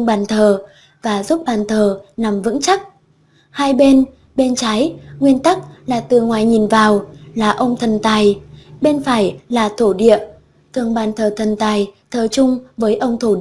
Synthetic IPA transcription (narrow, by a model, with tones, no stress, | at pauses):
ɓaː˨˩nt̪ʰəː˨˩ | vaː˨˩zu˦˥p̚ɓaː˨˩nt̪ʰəː˨˩na˨˩mvɨ̰˧˥ŋt͡ɕa˦˥k̚ | haː˧jɓe˧n | ɓe˧nt͡ɕaː˨˦jŋwi˧ənt̪a˦˥k̚laː˨˩t̪ɨ˨˩ŋwaː˨˩jɲi˨˩nvaː˨˩wlaː˨˩ʔə˧wŋ͡mt̪ʰə˨˩nt̪aː˨˩jɓe˧nfaː˧˩jlaː˨˩t̪ʰo˧˩ɗḭ˧˨ə | t̪ʰɨ˨˩əŋɓaː˨˩nt̪ʰəː˨˩t̪ʰə˨˩nt̪aː˨˩jt̪ʰəː˨˩t͡ɕʊ˧ŋ͡mvəː˨˦jʔə˧wŋ͡mt̪ʰo˧˩i